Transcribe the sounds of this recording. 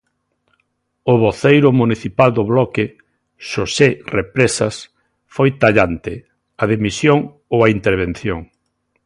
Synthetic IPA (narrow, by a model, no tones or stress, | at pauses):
ʊβoθejɾʊmuniθipald̪ʊβlɔkɪ | ʃoserepɾesɐs | fojt̪aʎant̪ɪ | ɐð̞emisjoŋ | owaint̪eɾβ̞en̟θjoŋ